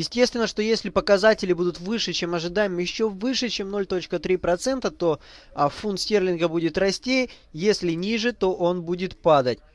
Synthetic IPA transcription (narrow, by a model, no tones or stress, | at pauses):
jɪsʲtʲe̞st̪vʲɪnːəʂt̪o̞jesʲlʲɪpəkɐzatʲɪlʲɪbud̪ʊt̪vɨʂɨt͡ɕemɐʐɨd̪ajɪmjɪɕːo̞vɨʂɨt͡ɕe̞mno̞lʲt̪o̞t͡ɕkət̪ɾʲipɾɐt̪sɛnt̪ət̪o̞ɐfunt̪sʲtʲerlʲɪnɡəbudʲɪt̪rɐsʲtʲej | jesʲlʲɪnʲiʐɨt̪o̞ʔo̞nbudʲɪt̪pad̪ətʲ